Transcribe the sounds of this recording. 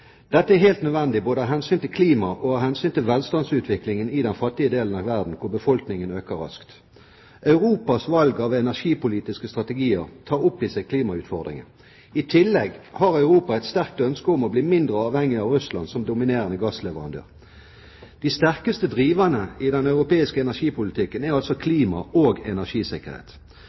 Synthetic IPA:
d̪̥ɛt̪ːəæheːlt̪nœd̪ʋɛnd̪ɪboːd̪əhɑɦɛnsyːnt̪ɪlkʰliːmɑʔohɑːhɛnsyːnt̪ɪlʋɛlst̪ɑnsʉːt̪ʋɪklɪŋənɪd̪ɛnfɑt̪ːɪəd̪eːlənɑʋæʁd̪n̩kʰʊbəfɔlknɪŋənøːkəɾɑ̰skt̪ | ʔœʉʁuːpɑsʋɑlɡɑʋɛnæʁʂiːpʊliːt̪ɪskəst̪ʁɑt̪əɡiːəʁt̪ʰɑːʁʊpːɪsɛɪkʰliːmɑʉːt̪fɔʁd̪ʁɪ̰ŋə̰ | ɪt̪ʰɪlːɛɡhɑʁœʉʁuːpɑɛt̪st̪æʁk̚t̪œnskəɔmɔbliːmɪnd̪ʁəɑːʋhɛŋɪɑːʋʁʉslɑ̰nsɔmd̪ʊmɪneːʁənəɡɑːslɛʋəʁɑnd̪ø̰ːʁ | d̪̥ɪst̪æʁkəst̪əd̪ʁiːʋɑnəɪd̪ɛnœʉʁʊpeːɪskəɛnæʁʂiːpʊlɪt̪ʰɪkːənæʁɑlsɔkʰliːmɑoːɡɛnæʁʂiːsɪkəʁhḛːt̪

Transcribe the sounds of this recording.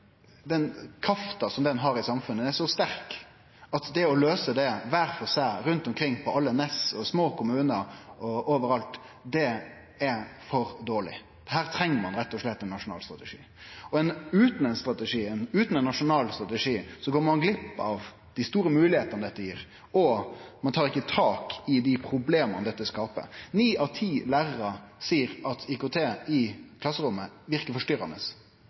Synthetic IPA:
d̪ɛnkʰɾɑft̪ɑsɔmd̪ɛnɦɑɾɪsɑmfʉnːəɛʂɔst̪æɾk | ɑt̪d̪ɛɔløːsəd̪ɛʋæɾfɔsæɪɾʉnt̪ɔmkʰɾɪŋːpʰɔɑlːənɛsɔsmoːkʊmʉːnəɾʔɔoːʋəɾɑlt̪ | d̪ɛ | ɛfɔɾd̪oːɭɪ̰ | d̪̥ɛɦæːɾt̪ʰɾɛŋːəmɑnɾɛt̪ːɔʂɭɛt̪ːɛnːɑʂʊnɑ̰ːlst̪ɾɑt̪ɛʂḭː | ɔɛnʉːt̪n̩ɛnst̪ɾɑt̪əʂiːɛnʉːt̪n̩ɛnːɑʂʊnɑːlst̪ɾɑt̪əʂiːsɔɡoːəɾmɑnɡlɪpːɑʋ | d̪̥ɪst̪uːɾəmʉːlɪheːt̪ənəd̪ɛt̪ːəjiːɾ | ɔmɑnt̪ʰɑːɾɪkːət̪ʰɑːkɪd̪ɪpʰɾʊbleːmɑnəd̪ɛt̪ːəskɑːpə̰niːʔɑʋt̪ʰiːlæːɾəɾəsiːəɾɑt̪ʰikʊt̪ʰeːɪkʰlɑsːəɾʊmːəʋɪɾkəɾfɔʂtʏɾɑ̰nəs

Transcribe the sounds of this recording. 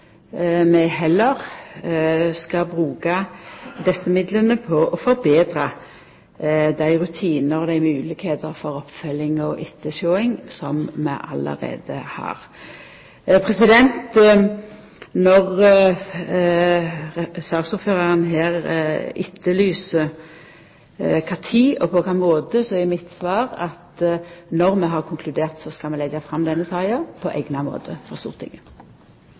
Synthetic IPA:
mɛɦɛlːəʁ | skɑbʁʉːkɑd̪ɛsːəmɪd̪lənəpʰɔʔɔfɔɾbeːd̪ɾɑ | d̪æɪʁʉt̪ʰiːnəɾɔd̪æɪmʉːlɪkheːt̪əɾfɔɾɔpːfœlɪŋɔʔɪt̪ʰːəʃoːɪŋsɔmmɛ̰ʔɑ̰lə̰ʁḛːd̪əhɑ̰ːɾ | pʰʁɛsɪd̪ɛnt̪ | nɔʁ | sɑːɡ̥suːføːʁɑʁənɦeːʁɪ̰t̪ʰːəlyːsə | kʰɑːt̪ʰiːʔɔpʰɔkʰɑːmoːd̪əsɔɛmɪt̪sʋɑːʁɑt̪nɔʁmɛɦɑʁkʰʊŋkʰlʉd̪eːʁt̪sɔskɑlmɛlɛɡɑfʁɑmd̪ɛnːəsɑːɑpʰɔʔɛ̰ɡnɑmo̰ːt̪ʰəfɔʁst̪ṵːʁt̪ʰɪ̰ŋə

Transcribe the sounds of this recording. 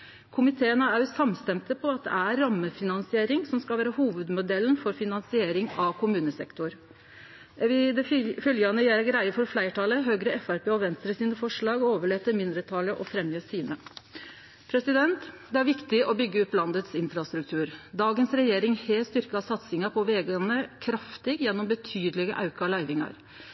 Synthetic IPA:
kʰʊmɪt̪ʰeːənəæɾsɑmst̪ɛmt̪ʰəpʰɔɑt̪̚d̪ɛ̰æːɑmːəfɪnɑnsɪeːɾɪŋsɔmskɑlʋæːɾɑhuːʋəd̪mʊd̪ɛln̩fɔɾfɪnɑnsɪeːɾɪŋɑkʰʊmʉːnəsɛ̰kt̪ʊɾ | ɪd̪ɛfœljɑnəjæɾɡɾæɪəfɔɾflæɪʈʰɑləɦøːɡɾəɛfæɾpeːɔʋɛnst̪ɾəsiːnəfɔʂɭɑːɡɔoːʋəɭeːt̪əɾmɪnd̪ɾət̪ʰɑləʔɔfɾɛmjøːsiːnə | pʰɾɛsɪd̪ɛnt̪d̪ɛæɾʋɪkt̪ɪʔɔbʏɡːəɔpːlɑnd̪ət̪sɪnfɾɑst̪ɾʉk̚t̪ʰʉːɾd̪ɑːɡənsɾɛjeːɾɪŋheːst̪ʏɾkəɑsɑt̪sɪŋɑpʰɔʋɛːɡənəkʰɾɑft̪ɪɡjɛnːɔmbət̪ʰyːd̪lɪɡəʔɑʉkɑlæɪʋɪŋɑ̰ɾ

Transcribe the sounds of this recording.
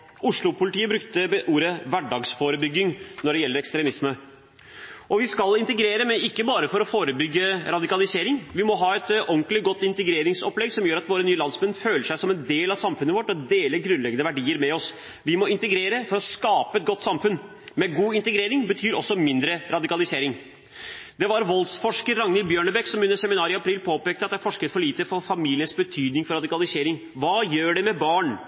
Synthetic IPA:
ʔʊʂlʊpʊlɪt̪iːəbɾʉkt̪əʔuːɾəʋæɖɑːɡsfoːɾəbʏɡɪŋnɔɖɛjɛlːəɾɛkst̪ɾɛmɪsmə | ʔɔʋɪskɑlɪnt̪əɡɾeːɾəmɛɪkːəbɑːɾəfɔɾɔfoːɾəbʏɡːəɾɑd̪ɪkɑlɪseːɾɪŋʋɪmɔɦɑːɛt̪ʔɔŋklɪɡɔt̪ːɪnt̪əɡɾeːɾɪŋsɔplɛɡsɔmjøːɾɑt̪ʋoːɾənyːəlɑnsmɛnːføːləʂæɪsɔmɛnd̪eːlɑsɑmfʉnəʋɔʈːɔd̪eːləɾɡɾʉnlɛɡːənəʋæɖiːəɾmɛɔs | ʋɪmɔɪnt̪əɡɾeːɾəfɔɾɔskɑːpəɛt̪̚ɡɔt̪ːsɑmfʉnː | mɛɡuːɪnt̪əɡɾeːɾɪŋbət̪ʰyːɾɔ̰sːɔmɪnd̪ɾəɾʔɑd̪ɪkɑlɪseːɾɪŋ | d̪ɛʋɑɾʋɔlsfɔʂkəɾːɑŋnɪbjøːɳəbɛksɔmʉnːəɾsɛmɪnɑːɾɪɑpʰɾiːlpʰoːpeːkt̪əɑt̪ːæfɔʂkəɾfɔɭiːt̪əɾfɔɾfɑmiːlɪənsbət̪ʰyːd̪nɪŋfɔɾɑd̪ɪkɑlɪseːɾɪŋ | ʋɑːjøːɖɛmɛbɑːɳ

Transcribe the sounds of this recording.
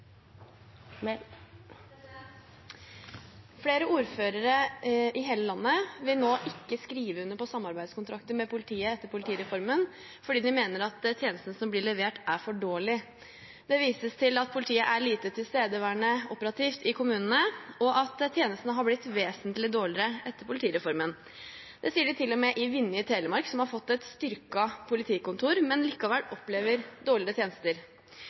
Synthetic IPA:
fleːɾəʔuːɾføːɾəɾəʔɪɦeːləlɑnːəʋɪlnoːʔɪkːəskɾiːʋəʉnːəpɔsɑmːɑɾbæɪd̪skʊnt̪ʰɾɑkt̪əmɛpʰʊlɪt̪ʰiːəɛt̪ːəɾpʰʊlt̪ʰiːɾɛfɔɾmən | fɔɖiːd̪ɪmeːnəɾɑt̪t̪ʰjeːnəst̪ənəsɔmblɪːɭɛʋeːʈæɾfɔɖoːɭɪ | d̪̥ɛʋiːsəst̪ʰɪlɑt̪̚pʰʊlɪt̪ʰiːəʔæɭiːt̪ət̪ʰɪlst̪eːd̪əʋæɳəɔpəɾɑt̪ʰiːft̪ɪkʰʊmʉːnənəɔʔɑt̪t̪ʰːjeːnəst̪nəɦɑɾblɪt̪ʋeːsənt̪lɪd̪oːɭɪɾəʔɛt̪ːəɾpʰʊlt̪ʰiːɾɛfɔɾmən | d̪ɛsiːəɖɪt̪ʰɪlːɔmɛʔɪʋɪnːjət̪ʰeːləmɑɾksɔmhɑɾfɔt̪ːɛt̪st̪ʏɾkɑpʰʊlɪt̪ʰiːkʊnt̪ʰuːɾmɛnliːkɑʋæɽɔpleːʋəɾd̪oːɭɪɾət̪ʰjeːnəst̪əɾ

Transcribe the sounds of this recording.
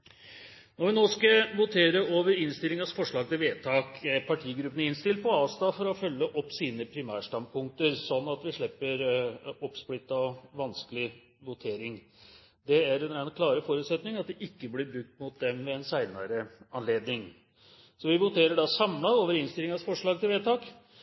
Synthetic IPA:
nɔɾʋɪnoːskɑʋʊt̪ʰeːɾəoːʋəɾɪnst̪ɪlɪŋɑsfɔʂɭɑːɡ̚t̪ɪlʋeːt̪ʰɑːkpʰɑʈʰiːɡɾʉpːənəɪnst̪ɪlpʰɔɑːst̪ɑfɔɾɔfœlːəʔɔpːsiːnəpʰɾɪmæːʂʈ̪ɑnd̪̚pʰʊŋk̚t̪əɾsɔnːɑt̪ʋɪʂɭɛpːəɾɔpːsplɪt̪ːɑɔʋɑnskəlɪ | ʋʊt̪ʰeːɾɪŋ | d̪ɛæɾɛnɾænkʰlɑːɾəfɔɾʉːt̪sɛt̪nɪŋɑt̪̚d̪ɛʔɪkːəblɪbɾʉk̚t̪mʊt̪̚d̪ɛmʋɛɛnsæɪnɑɾəɑnleːd̪nɪŋ | sɔʋɪʋʊt̪ʰeːɾəɖɑsɑmlɑoːʋəɾɪnst̪ɪlɪŋɑsfɔʂɭɑːɡ̚t̪ʰɪlʋeːt̪ʰɑːk

